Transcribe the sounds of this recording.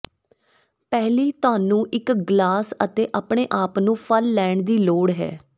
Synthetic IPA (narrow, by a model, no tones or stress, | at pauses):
pɛːliːt̪ʊaːnũːʔɪkɡlaːsət̪eːʔaːpɳeːʔaːpnũːpʰəlːɛːɳd̪iːloːɽɦɛ̰ː